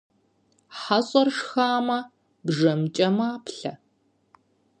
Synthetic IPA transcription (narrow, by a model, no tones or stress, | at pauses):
ħaɕʼɐrʂxaːmɐ | bʐɐmt͡ʃʼɐmaːpʰɬɐ